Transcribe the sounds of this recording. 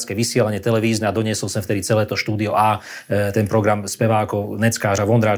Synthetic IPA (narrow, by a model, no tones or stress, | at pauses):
t͡skɛːʋisɪɛlaɲɪɛt̪ɛlɛʋiːznɛad̪ɔɲɪɛsɔlsɛmft̪ɛd̪it͡sɛlɛːt̪ɔʃt̪uːd̪iɔʔaː | t̪ɛnpɾɔɡɾamspɛʋaːkɔnɛt͡skaːɾaʋɔnd̪ɾaː